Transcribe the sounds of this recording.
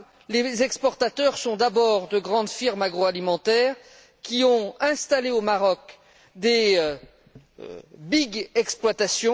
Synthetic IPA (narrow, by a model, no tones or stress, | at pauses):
lezɛkspɔʁt̪at̪œʁsɔ̃d̪abɔʁd̪əɡʁɑ̃d̪fiʁmaɡʁoalimɑ̃t̪ɛːʁ | kʲiɔ̃ɛ̃st̪aleomaʁɔk | d̪e | biɡɛksplwat̪asjɔ̃